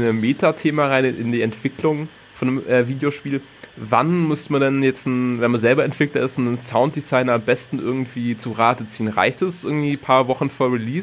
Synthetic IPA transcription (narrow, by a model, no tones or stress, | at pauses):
nəmeːtʰatʰeːmaʁaɪnɪ̰ndiːɛntv̥ɪklʊŋ | fɔnəmʔɛːviːdjoʃpiːl | vanmʏstmadɛnjɛt͡stn̩vɛnmanzɛlbɐɛntv̥ɪklɐɪstʊnnsaʊnt̚d̥izaɪnɐambɛstn̩ʔɪɐɡŋ̩tv̥iːt͡suʁaːtət͡siːənʁa̰ɪçtɛsʔɪɐɡŋ̩tv̥iːpʰaːɐvɔχn̩foːɐʁiliːs